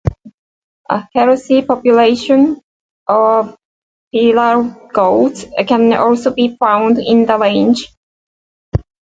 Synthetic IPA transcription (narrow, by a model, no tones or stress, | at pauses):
ʔə̰hɛɹəsipɔpjʊleɪʃə̃n | ʔɔv | pʰilə˞ɡ̥oltkə̃nɔ̰lˠsoʊbifãʊ̃ndɪ̃ndəlẽɪ̃nd͡ʒ